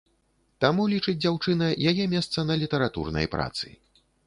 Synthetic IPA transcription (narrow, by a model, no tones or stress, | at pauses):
t̪amulʲit͡ʂɨd͡zʲd͡zʲawt͡ʂɨnɐjajɛmʲɛst̪sɐnɐlʲit̪ɐɾat̪ṵrnɐ̰jpɾa̰t̪sɨ̰